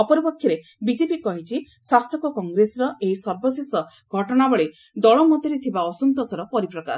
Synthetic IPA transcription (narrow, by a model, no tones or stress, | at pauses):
ɔpɔɾipɔkʰjɔɾe | bid͡ʒepikɔɦit͡ʃʰi | sasɔkɔkɔŋɡɾesɔɾɔʔeɦisɔɾbɔsesɔ | ɡʱɔʈɔɽ̃abɔɭe | d̪ɔɭɔmɔd̪ʱiɾet̪ʰibaɔsunt̪ɔsɔɾɔpɔɾipɾɔka̰s